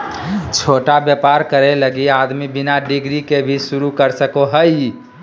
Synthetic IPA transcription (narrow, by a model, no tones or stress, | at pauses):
t͡ʃʰoːʈabjəpaɾkəɾeləɡiad̪mibinaɖiɡɾikebʱisuɾukəɾsəkoɦəj